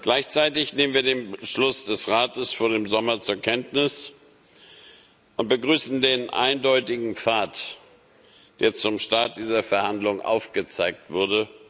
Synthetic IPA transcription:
ɡ̥laɪçt͡saɪtɪçneːmənviːɐdeːnbəʃlʊsd̥ɛsʁaːtəsfoːɐdeːmzɔmɐt͡suːɐkʰɛntnɪs | ʔʊnt̚b̥əɡʁyːsn̩deːnʔa̰ɪndɔʏtɪɡŋ̩p͡faːt | d̥eːɐt͡sʊmʃtaɐt̚d̥iːzɐfɛɐhandlʊŋʔa̰ʊfɡ̥ət͡saɪk̚tv̥ʊɐdə

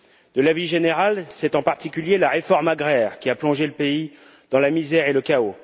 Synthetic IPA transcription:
d̪̥əlaviʒeneʁalsɛt̪ɑ̃paʁt̪ikʲyljelaʁefɔʁmaɡʁɛːʁkʲiaplɔ̃ʒeləpei | d̪̥ɑ̃lamizɛʁeləkao

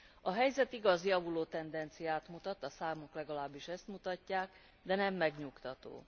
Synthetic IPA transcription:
ɒɦɛjzɛt̪iɡɒzjɒvuloːt̪ɛnd̪ɛnt̪sijaːt̪mut̪ɒt̪ːɒsaːmoklɛɡɒlaːbːiʃɛst̪mut̪ɒcːaːk | d̪ɛnɛmːɛɡɲukt̪ɒt̪o̰ː

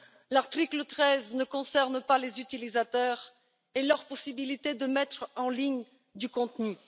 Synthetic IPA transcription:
laʁt̪χiklət̪χɛznəkɔ̃sɛʁnpalezyt̪ilizat̪œʁ | elœʁpɔsibilit̪ed̪əmɛt̪χɑ̃liɲ | d̪ykɔ̃t̪ny

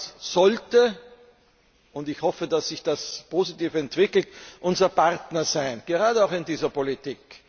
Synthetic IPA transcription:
sz̥ɔltə | ʊntɪçhɔfədasːɪçd̥aspʰoːzitiːfɛntv̥ɪkl̩tʔʊnzɐpaʁtnɐzaɪnɡ̥əʁaːdəaʊxɪndiːzɐpolitiːk

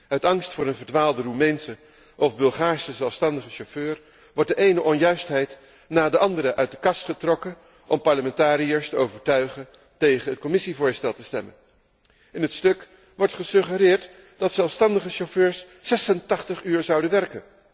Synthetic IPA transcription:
œɥtɑŋstfʊːɾənvəɹdʋaːlˠdərumɛjnsə | ʔɔfbɵlˠχaːɹsəzɛlˠfstɑndəχəʃoføːɹ | ʋɔɹt̚dəʔejnəʔɔnjœɥstɦɛjt | naːdəʔɑndəɾəʔœɥt̚dəkɑstχətrɔkə | ʔɔmpɑɹləmɛntaːɾijəɹstəowvəɹtœɥχən | tejχənɦət̚kɔmɪsivʊːɹstɛlˠtəstɛ̰mə̰n | ɪnɦətstɵk | ʋɔɹtχəsɵχəɾɪːɹt | d̥ɑtsɛlˠfstɑndəχəʃoføːɹsː | ɛsəntɑχtəχyːɹzɑwdənʋɛrkən

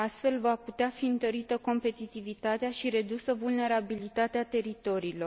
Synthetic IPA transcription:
ast̪fe̞lvaput̪eafiɨnt̪əɾit̪əko̞mpe̞t̪it̪ivit̪at̪eaʃiɾe̞d̪usəvulne̞ɾabilit̪at̪eat̪e̞ɾit̪o̞ɾiːlo̞r

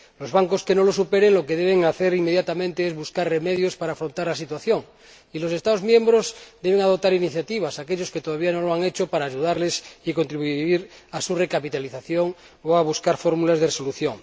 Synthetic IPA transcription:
lozβaŋkoskeno̞losupeɾeŋlo̞keðeβ̞eŋaθeɾimejat̪amẽnt̪eezβuskarremeðjospaɾaːfɾont̪aɾlasit̪waθjoŋ | ilo̞se̞st̪aðozmjẽ̞mbɾozd̪eβ̞eŋað̞ot̪aɾiniθjat̪iβ̞asakeʎosket̪oð̞aβiano̞loaŋet͡ʃopaɾaːʒuðaɾlesiko̞nt̪ɾiβuiɾasure̞kapit̪aliθaθjoŋ | oaβuskaɾfoɾmulazðeresoluθjoŋ

